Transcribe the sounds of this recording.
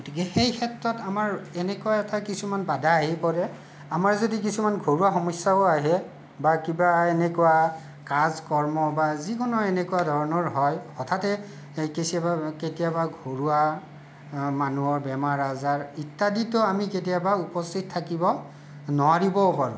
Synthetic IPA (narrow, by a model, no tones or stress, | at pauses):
ɡotikɛxejkʰɛtɹɔtamaɹɛnɛkuaɛtakisumanbadaaɦipɔɹɛ | amaɹzodik̬isumanɡʱoɹuaxɔmɔsːaoaɦɛ | bakibaenɛkuwa | kazkɔɹmɔbazikɔnɔɛnɛkuadʱɔɹɔnɔɹɦɔjɔtʰatɛ | kisiabaketijabaɡʱoɹua | manuɔɹbɛmaɹazaɹitːaditɔamiket̬ijabaupɔstʰit̚tʰːakibɔ | nɔaɹibɔpaɹṵ